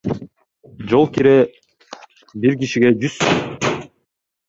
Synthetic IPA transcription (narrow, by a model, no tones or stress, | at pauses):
d͡ʒolˠkiɾe | biɾkiʃiɡed͡ʒys